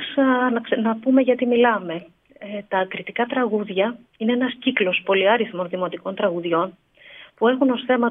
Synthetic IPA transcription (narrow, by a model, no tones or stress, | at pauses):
snɐksnɐpume̞ʝɐt̪imilɐme̞ | et̪ɐːkɾit̪ikɐt̪ɾɐɣuðʝɐ | ine̞enɐsciklo̞spo̞liɐɾiθmo̞nðimo̞t̪iko̞nt̪ɾɐɣuðʝo̞n | pue̞xuno̞sθe̞mɐ